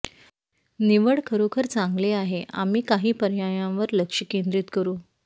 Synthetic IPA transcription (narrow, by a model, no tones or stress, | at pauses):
niʋəɽkʰəɾokʰəɾt͡sãŋɡleaɦeʔa̰miːkaɦiːpəɾjajãʋəɾləkʂəkẽnd̪ɾiːt̪kəɾũː